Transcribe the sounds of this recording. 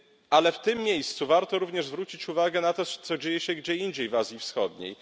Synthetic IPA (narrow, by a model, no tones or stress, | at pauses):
alɛft̪ɘmːʲjejst̪suvaɾt̪ɔɾuvɲɛʐzvɾut͡ɕit͡ɕuvaɡɛnat̪ɔt̪sɔd͡ʑejɛɕɛɡd͡ʑɛiɲd͡ʑejvazʲifsxɔd̪ɲḛj